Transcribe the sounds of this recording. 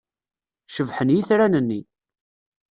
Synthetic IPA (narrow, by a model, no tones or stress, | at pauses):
ʃəvħənjiθɾænənːi